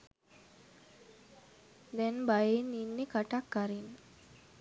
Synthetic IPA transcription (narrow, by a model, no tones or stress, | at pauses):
d̪ɛnbajeninːekaʈakːaɾin